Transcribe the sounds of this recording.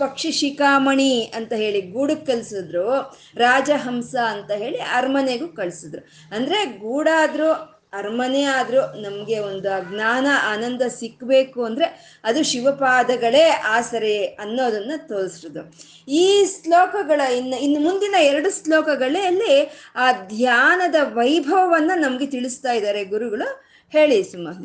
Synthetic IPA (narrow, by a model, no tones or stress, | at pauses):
pɐkʂiʃikaːmɐɳiɐnt̪ɐɦe̞ːɭiɡuːɽuːɐlsid̪ɾu | ɾaːd͡ʒɐɦɐmsɐːnt̪ɐɦe̞ːɭiɐɾmɐneɡukɐɭsid̪ɾu | ɐnd̪ɐɾe̞ɡuːɽaːd̪ɾu | ɐɾmɐneaːd̪ɾunɐmɐɡe̞ond̪uɡnaːnɐʔaːnɐnd̪ɐsikːbe̞ːkuɐnd̪ɐɾe̞ | ɐd̪uʃiʋɐpaːd̪ɐɡɐɭe̞ːʔaːsɐɾeɐnːo̞ːd̪ɐnːut̪oːɾisiɾod̪u | iːslɔːkɐɡɐɭɐinːɐinːumund̪inɐɛɾɐɽuslɔːkɐɡɐɭeɐlːiaːd̪ʱjaːnɐd̪ɐʋɐjbʱɐʋɐʋɐnːunɐmɐɡe̞t̪iɭist̪aːjd̪aːɾe̞ɡuɾuɡɐɭu | he̞ːɭisumːɐɦ̪i